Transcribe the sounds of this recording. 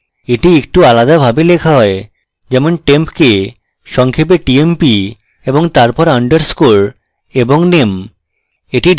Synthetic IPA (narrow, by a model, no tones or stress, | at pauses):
eʈiek̚ʈualad̪abʱabelekʰaɦɔe | d͡ʑɛmonʈempke | ʃɔŋkʰep̬eʈiempi | eboŋt̪aɾpɔɾaɳɖəɾskoɾ | eboŋnem | eʈiɖ